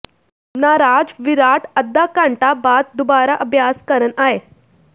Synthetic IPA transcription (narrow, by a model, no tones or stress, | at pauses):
naɾad͡zʋiɾaʈəd̪ːakãɳʈabat̪̚d̪ubaɾaʔəbʱjaskəɾənaɦe